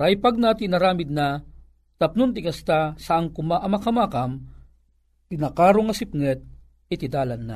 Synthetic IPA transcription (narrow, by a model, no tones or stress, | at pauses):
ɾajpaɡ̚nat̪ɪnːɐɾaːmɪd̪̚na | t̪ɐp̚nʊnt̪ɪɡɐst̪asɐʔɐŋkʊmaʔɐmɐkɐmaːkɐm | t̪ɪnakaːɾoŋɐsɪp̚ŋɛt̪̚ | ɪt̪ɪd̪aːlɐnːa